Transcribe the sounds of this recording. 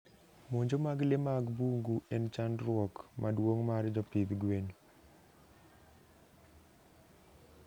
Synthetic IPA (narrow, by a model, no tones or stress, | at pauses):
moɲd͡ʒomaɡlemaɡbuŋɡuɛnt͡ʃandɾwɔkmʔadwoŋmaɾd͡ʒɔpɪd̪ɡweɲ